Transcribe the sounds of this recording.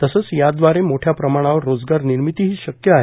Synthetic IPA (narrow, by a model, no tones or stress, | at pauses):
t̪əsət͡sjad̪ʋaɾemoʈʰjapɾəmaɽ̃aʋəɾːod͡zɡaɾniɾmit̪iɦiːɕəkjəaɦe